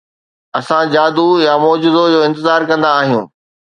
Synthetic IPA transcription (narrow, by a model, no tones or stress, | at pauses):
ɐsãd͡ʑaːd̪ujamɔːd͡ʑʊd̪od͡ʑoːɪ̃nt̪ɪzaːɾkɐ̃nd̪aːɦijũː